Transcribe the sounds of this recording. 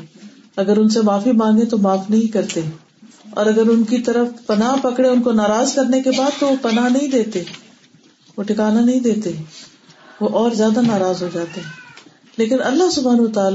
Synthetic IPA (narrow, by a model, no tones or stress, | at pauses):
ɐɡəɾʊnsemaːfimãːŋɡẽt̪omaːfnɐɦĩkɐɾt̪e | ɔ̰ːɾɐɡəɾʊnkit̪ɐɾəfpɐnapɐkɽeʊnkonaːɾaːzkɐɾnekebaːd̪̚t̪oʋopɐnanɐɦĩd̪eːt̪eː | ʋoʈʰɪkaːnanɐɦĩd̪eːt̪eɛ | ʋoʔɔːɾzjaːd̪anaːɾaːzɦod͡ʒaːt̪eɦɛ̃ː | leːkɪnɐlːaɦsʊbʱaːnwət̪aːl